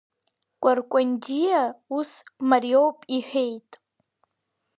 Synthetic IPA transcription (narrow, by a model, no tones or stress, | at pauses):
kʷʼarkʷʼand͡ʒijausmarjowpʼiħᶣejtʼ